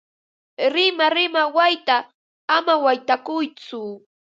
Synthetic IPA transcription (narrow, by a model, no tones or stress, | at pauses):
ɾɪmaɾɪmawajt̪aː | mawajt̪akʊjt͡sʊ